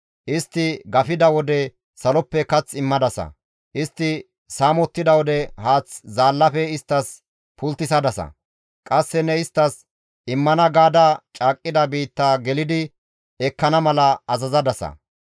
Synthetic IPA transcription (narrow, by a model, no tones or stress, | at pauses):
ʔɪst̪ːɪɡɐfɪd̪ɐwɔd̪ɛ | sɐlɔpːɛkɐt͡sːɪmːɐd̪ɐsɐ̰ | ʔɪst̪ːɪ | saːmɔt̪ːɪd̪ɐwɔd̪ɛhaːt͡szaːlːɐfɛɪst̪ːɐs | pʊlt̪ːɪsɐd̪ɐsɐ̰ | kʼɐsːɛnɛɪst̪ːɐs | ɪmːɐnɐɡaːd̪aːt͡ʃʼaːkʼːɪd̪ɐbiːt̪ːaːɡɛlɪd̪ɪ | ɛkːɐnɐmɐlɐɐzɐzɐd̪ɐsɐ̰